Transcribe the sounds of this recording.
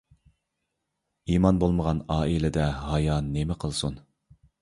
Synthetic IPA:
imɑnbolˠməʁɑnɑːilɪd̪ɛɦɑjɑnːemɪqʰəlˠsun

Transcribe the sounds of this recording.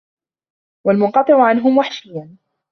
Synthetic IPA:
walmʊnqɑt̪ˤɨʕʊʕanɦʊmwaħʃɪjːan

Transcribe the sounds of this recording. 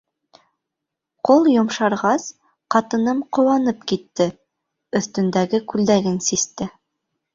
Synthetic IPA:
qolˠjŏmʃɑɾʁɑs | qɑt̪ɤ̆nɤmqŏwɑnɤpkit̪ːɘ | ɵ̆θt̪ɵ̆nd̪æɡɘkʉld̪æɾɘnsist̪ɘ

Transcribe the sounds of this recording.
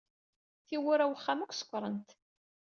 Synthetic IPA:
θiwʊɾæwəχːamækʷsə̥kʷːɾˤənt̪

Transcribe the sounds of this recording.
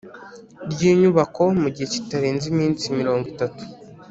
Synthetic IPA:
ɾɟiːɲuβako̞muɟihe̞ci̥taɾeːnzimiːnt͡simiɾo̞ːŋɡwitatu̥

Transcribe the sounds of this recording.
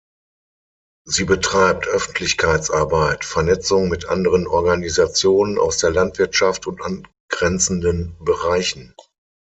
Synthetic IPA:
ziːbətʁ̥aɪp̚tʰʔœfn̩tʰlɪçkʰaɪt͡sʔaɐbaɪtfɛɐnɛt͡sʊŋmɪtʔa̰ndəʁənʔɔɐɡanizat͡sjoːnəna̰ʊsd̥eːɐlantv̥ɪɐtʃaftʊntʔan | ɡ̥ʁɛnt͡sn̩dənbəʁaɪçn̩

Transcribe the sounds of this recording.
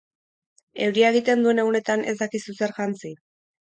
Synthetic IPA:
e̞wɾiaeɣ̞it̪e̞nd̪ue̞ne̞ɣune̞t̪ane̞̰zd̪akisuse̞ɾʝant͡si

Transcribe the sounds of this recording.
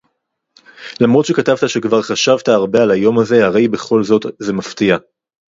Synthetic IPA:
lamʁo̞t̪ʃe̞katavtaʃe̞kvaʁχaʃavtaːʁbe̞alajo̞maze̞haʁe̞jbe̞χo̞lzo̞tze̞maftia

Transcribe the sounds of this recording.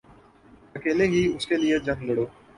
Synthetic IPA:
ɐkeːleɦiʊskelied͡ʒɐ̃ŋlɐɽoː

